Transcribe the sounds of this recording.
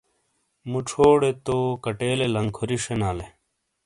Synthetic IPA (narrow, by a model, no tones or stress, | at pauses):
muʈ͡ʂʰoːɽet̪okɐʈeːlelɐŋkʰoɾiʂenaːle